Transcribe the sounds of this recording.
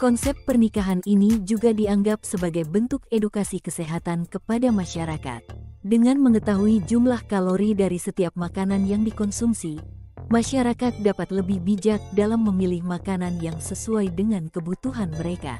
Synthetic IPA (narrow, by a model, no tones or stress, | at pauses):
kɔnsɛp̚ːərnikaɦaninid͡ʒuɡadiaŋɡap̚səbaɡajbənt̪ukedukasikəseɦat̪ankəpadamaʃaɾaka̰t̪̚dəŋanməŋət̪aɦuid͡ʒumlahkaloɾidaɾisət̪iap̚makananjaŋdikɔnsumsi | maʃaɾakat̪̚dapat̪ləbihbid͡ʒak̚dalamːəmilɪhmakananjaŋsəsuajdəŋankəbut̪uɦanməɾeka̰